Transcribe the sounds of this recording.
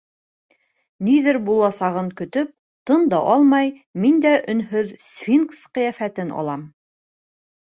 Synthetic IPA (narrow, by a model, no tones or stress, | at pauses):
niðɘɾbulˠɑsɑʁɤŋkɵ̆t̪ɵp̚ | t̪ɤnd̪ɑʔɑlˠmɑj | mind̪æʔɵ̆nɦɵðsfʲinksqɤ̆jæfæt̪ɘnɑ̰lˠɑm